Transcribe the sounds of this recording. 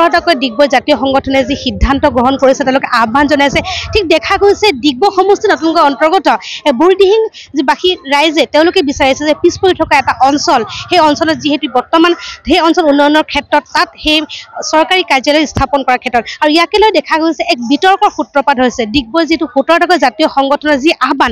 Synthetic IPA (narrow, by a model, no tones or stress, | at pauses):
ɹɔtakɔjdiɡ̚bɔjzatiɔxɔŋɡɔtʰɔnɛzixidʱːantɔɡɹɔɦɔnkoɹisɛtẽʊ̃lʊkɛʔabʱanzɔnajsɛtʰik̚dɛkʰaɡojsɛdiɡ̚bɔxɔmustinɔtunkɔjɔntɔɹɡɔtɔɛbuɹidiɦiŋ | zibaxiɹajzɛteʊ̃lʊkɛbisaɹisɛzɛpispoɹitʰɔkaɛtaʔɔnsɔlxejɔnsɔlɔtziɦetubɔɹtɔmanhejɔnsɔlunːɔjɔnɔɹkʰɛtːɹɔtːathejsɔɹkaɹikaɹzɔlɔjstʰapɔnkɔɹakʰɛtɹɔtaɹuijakɛlɔjdɛkʰaɡosɛʔɛk̚bitɔɹkɔɹxutɹɔpadɦojsɛdiɡ̚bɔziɦetuxutɔɹtʰɔkɔjzatijɔxɔŋɡɔtʰɔnɔziʔaɦbʱan